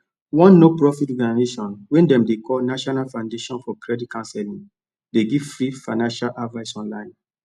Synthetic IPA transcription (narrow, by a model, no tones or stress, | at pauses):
wɔ̃nːopɹɔfitɔɡanazeʃɔ̃nwɛ̃ndɛ̃mdekɔlnaʃɔnalfãʊ̃ndeʃɔ̃nfɔkɹɛdit̚kãnsɛlĩŋ | deɡiv̥fɹifãɪnãnʃalʔadvaɪsɔ̃nlãɪ̃n